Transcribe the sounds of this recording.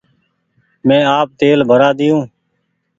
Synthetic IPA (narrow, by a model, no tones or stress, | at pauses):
mɛ̃ːaːp̚t̪eːlbʱəɾaːd̪ɪjũː